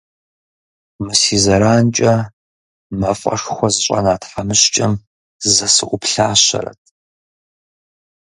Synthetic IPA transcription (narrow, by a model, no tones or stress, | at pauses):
mɨsiːzɐɾaːnt͡ʃʼɐ | mɐfʼɐ̰ʂxʷɔzɨɕʼɐ̰naːtħamɨɕt͡ʃʼɐm | zɐsɨʔʷʊpɬaːɕɐ̰ɾɐ̰tʰ